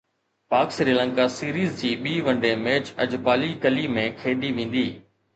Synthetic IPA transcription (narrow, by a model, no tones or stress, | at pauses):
paːksɾiːlə̃ŋkasiːɾiːzd͡ʑiːɓiːʋɐ̃ɳɖẽːmeːt͡ʃɐd͡ʑpaːlikəlimẽkʰeːɗ̪iʋẽːn̆d̪iː